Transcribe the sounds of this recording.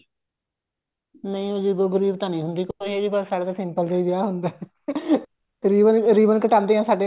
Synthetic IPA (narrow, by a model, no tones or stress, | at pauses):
nə̃ĩːod͡ʒiːd̪oːɡəɾiːbt̪aːnĩːɦʊnd̪iːkːeːd͡ʒiːbəsaːɽaːt̪asɪ̃mpəld͡ʒaiːd͡ʒɪaːɦʊnd̪aː | ɾiːbənɾiːbənkəʈãːnd̪eːɦãːsaːɖeː